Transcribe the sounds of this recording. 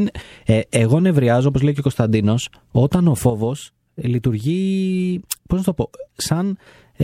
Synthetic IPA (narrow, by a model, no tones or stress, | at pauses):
eɣo̞ne̞vɾiɐzo̞opo̞zlejceo̞ko̞st̪ɐnd̪ino̞s | o̞t̪ɐno̞fo̞vo̞s | lit̪uɾʝi | poznɐst̪o̞po̞sɐn